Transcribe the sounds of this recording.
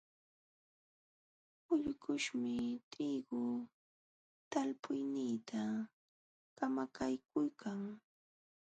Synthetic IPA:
ʊʎkʊʃmɪt̪ʰiːɡʊ | t̪alpʊjnɪːt̪ʰa | kamakʰajkʊjkʰaŋ

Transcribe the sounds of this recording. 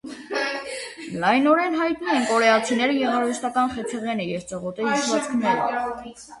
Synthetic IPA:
lɑjnɔɾɛnɦɑjt̪numɛnkɔɾɛɑt͡sʰinɛɾəjɛʁɑɾəʃt̪ɑkɑnχɛt͡sʰəʁjɛnəjɛvt͡səʁɔt̪ɛiʃvɑt͡skʰnɛɾɔ

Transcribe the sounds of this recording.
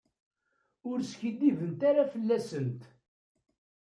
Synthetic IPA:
ʊɾsçid̪ːivənt̪aɾafəlːæsənt̪

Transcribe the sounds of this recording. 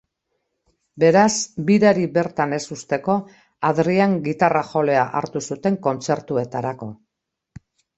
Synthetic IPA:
be̞ɾasbiɾaɾiβe̞ɾt̪ane̞sust̪e̞ko̞ | aðɾiaŋɡit̪araxo̞le̞aʔa̰ɾt̪usut̪e̞ŋko̞nt͡se̞ɾt̪ue̞t̪aɾako̞

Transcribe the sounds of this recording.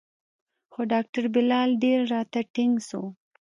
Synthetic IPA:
xoɖɑk̚ʈaɾbɪlɑlɖeɾɾɑt̪aʈɪŋɡso

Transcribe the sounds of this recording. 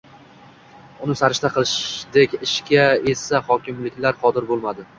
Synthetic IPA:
ʊnɪsaɾɪʃt̪aqʰɨlˠɪʃd̪ekʲɪʃkʲʰae̞saχɒkʲɪmlɪkʲlaɾqʰɒd̪ɪɾbolˠmad̪ɪ

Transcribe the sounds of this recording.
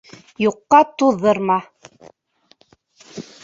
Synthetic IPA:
juqːɑt̪uðːɤɾmɑ

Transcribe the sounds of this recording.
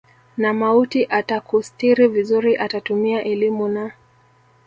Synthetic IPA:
namautiʔatakustiɾivizuɾiʔatatumiaʔɛlimuna

